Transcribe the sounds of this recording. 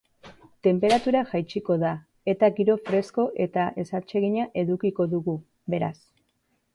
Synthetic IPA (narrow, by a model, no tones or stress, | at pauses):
t̪e̞mpe̞ɾat̪uɾaʝajt͡ʃiko̞ða | e̞t̪aɣiɾo̞fɾe̞sko̞ʔe̞t̪aʔe̞sat͡ʃe̞ɣiɲaʔe̞ðukiko̞ðuɣu | βe̞ɾa̰s